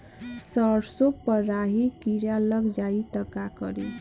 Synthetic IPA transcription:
səɾsopəɾaɦikiɾjaləɡd͡ʒait̪əkakə̰ɾḛ

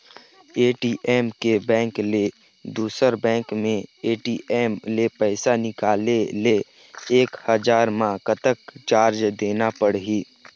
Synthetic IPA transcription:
eːʈiːʔeːmkebɛ̃ːŋkle | d̪uːsəɾbɛ̃ːŋkmẽeːʈiːʔeːmlepɛɪsanɪkaːlele | eːkhəd͡ʒaːɾmãkət̪əkt͡ʃaːɾd͡ʒd̪eːnapəɽɦiː

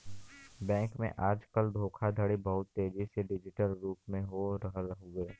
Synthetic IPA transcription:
bɛ̃ːŋkmḛ̃ʔaːd͡ʒkəld̪ʱoːkʰad̪ʱəɽibɐɦʊt̪ːeːd͡ʒiseɖɪd͡ʒɪʈəlɾuːpmẽɦoɾɐɦəlɦoɡeː

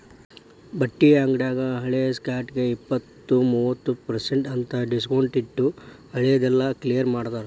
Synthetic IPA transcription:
bɐʈːijaːŋɡɖaːɡɐɦɐɭejɐskaːɾʈɡe̞ipːɐt̪ːumuːʋɐt̪ːupɐɾseɳʈɐnt̪ɐɖiskɐwɳʈiʈːu | hɐɭejɐd̪ɛlːɐklijɐɾmaːɽt̪aːɾe

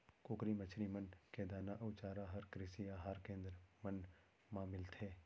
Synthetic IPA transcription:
koːkɾimɐt͡ʃʰɾimɐnked̪aːnaʔɐʊt͡ʃaːɾaɦɐɾkɾɪsijaɦaːɾkẽːnd̪ɾmɐn | mãːmɪlt̪ʰeː

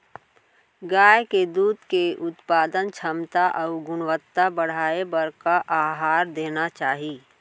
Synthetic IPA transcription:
ɡaːjked̪uːd̪keʔʊt̪paːd̪ənt͡ʃʰəmt̪aʔɔʊɡʊnʋət̪ːabəɽ̤aːebəɾkaʔaːɦaːɾd̪eːnat͡ʃaːɦi

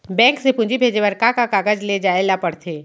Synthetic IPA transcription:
bɛ̃ːksepʊ̃nd͡ʒibʱeːd͡ʒeʋəɾkakakaɡəd͡ʒled͡ʒaːelapəɽt̪ʰeː

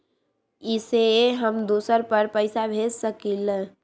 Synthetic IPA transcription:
iseɦəmd̪osəɾpəɾpəɪsabʱed͡ʒsəkil

